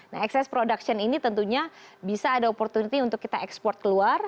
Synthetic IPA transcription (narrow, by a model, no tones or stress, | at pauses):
na̰ɦɛksɛspɾodaksɔninit̪ənt̪uɲabisaːdaopɔrt̪unit̪iunt̪ʊkːit̪aɛkspɔrt̪̚kəluar